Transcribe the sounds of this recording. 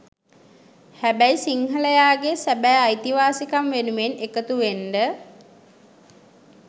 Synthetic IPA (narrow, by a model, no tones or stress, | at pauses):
hæbæjsiŋɦələjaːɡesæbæːajt̪iʋaːsikamʋenumenekət̪uʋenɖə